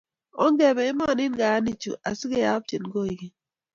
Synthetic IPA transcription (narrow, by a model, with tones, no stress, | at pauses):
ɔ˦ŋɡɛ˨bɛ˨ɪ˦mɔ˦˨nɪ˦nɡa˨˦ni˦t͡ʃṵ˨ʔa˨si˦ɡe˦ja˦b̚t͡ʃi˨nɡo˦i˨ɡi˦